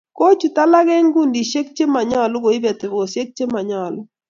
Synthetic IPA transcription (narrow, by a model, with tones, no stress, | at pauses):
ko˦t͡ʃu˨ta˦la˦ɡɛ˦ŋɡu˦˨ndi˨ʃe˦k̚t͡ʃe˦ma˨ɲɔ˦˨lʊ˦ɡo˨i˦bɛ˨tɡo˨sje˦k̚t͡ʃe˦ma˨ɲɔ˦˨lʊ˦